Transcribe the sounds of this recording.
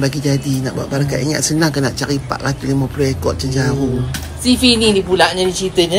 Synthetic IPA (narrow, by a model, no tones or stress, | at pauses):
baɡid͡ʒadina̰ʔba̰ʔbaɾka̰ʔḭŋa̰ʔsənaŋkənaʔt͡ʃaɾipa̰ʔkat̪ulimapuluɛkɔ̰ʔ̪̚t͡ʃəɲd͡ʒaɾu | sifinidipulaʔɲadit͡ʃit̪əɲə